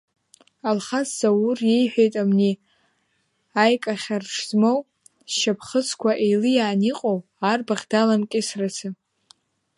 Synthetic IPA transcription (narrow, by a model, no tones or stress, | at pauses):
alχasːawurje̞jħʷᶣe̞jtʼamni | ajkʼaχʲarʂzmow | ʃapʰχət͡sʰkʷʰaʔejlɨjaːniqʼow | arbaʁʲdalamkʲʼɪsrat͡sʰɨ